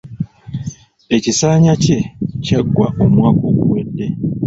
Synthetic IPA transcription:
e̞cisaːɲace̞caɡːwaʔo̞mwaːko̞ːɡṵwedːe̞

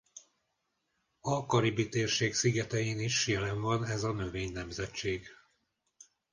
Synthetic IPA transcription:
ɒkɒɾibit̪eːrʃeːksiɡɛt̪ɛjeːniʃjɛlɛɱvɒnɛzɒnø̞veːɲnɛmzɛt͡ʃːeːɡ

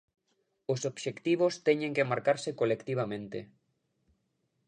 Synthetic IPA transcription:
osobʃekt̪iβ̞ost̪ɛɲẽŋkemaɾkaɾsekolekt̪iβ̞amẽnt̪ḛ

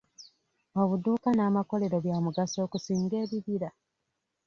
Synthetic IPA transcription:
o̞βuduːkanaːmako̞le̞ɾo̞βjaːmuɡaso̞ːkusiːŋɡe̞ːβiβiɾa

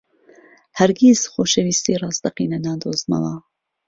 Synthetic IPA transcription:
hɐɾɡʲizxoːʃɛwiːst̪iːrɑːzd̪ɐqiːnɐnaːd̪oːzmɑ̰lɑː

